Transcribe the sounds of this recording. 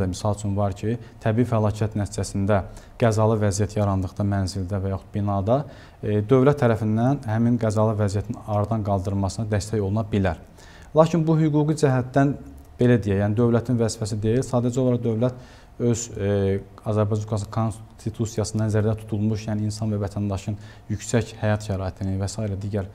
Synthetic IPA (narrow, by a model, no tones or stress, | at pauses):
misɑlˠt͡ʃʰynvɑɾcʰit̪ʰæbiːifælˠɑːcʰijæt̪næt̪ʰid͡ʒæsind̪æ | ɡ̥æzɑlˠɯvæzijæt̪ʰjɑɾɑnd̪ɯɣd̪ɑmænzild̪ævæjɑxut̪̚binɑːd̪ɑ | d̪ø̞vlæt̪ʰːæɾæfinːænhæminɡæzɑlˠɯvæzijæt̪ʰinɑɾɑd̪ɑnɡɑlˠd̪ɯɾmɑsɯnɑd̪æst̪æjo̞lˠunɑbilæɾ | lˠɑːcʰinbuhyɡuːɡid͡ʒæɦæt̪ːæn | b̥e̞læd̪ijæjæːnid̪ø̞vlæt̪ʰinvæzifæs̬id̪e̞jilsɑːd̪æd͡ʒo̞lˠɑɾɑd̪ø̞vlæt̪ | ø̞z | ɑzæɾbɑjd͡ʒɑnkʰɑs̬ɯnkʰonst̪ʰit̪ʰusijɑsɯnd̪ɑnzæɾd̪æt̪ʰu̥t̪ʰulˠmuʃjæːniːnsɑnvævæt̪ʰænd̪ɑʃɯn | jycsæchæjɑt̪ʃæɾɑːit̪ʰininvæsɑːiɾæd̪iːɟæɾ